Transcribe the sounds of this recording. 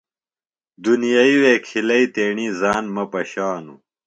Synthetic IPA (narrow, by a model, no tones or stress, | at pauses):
d̪unijaiweːkʰilɐit̪eːɳizaːnmɐpɐɕaːnṵ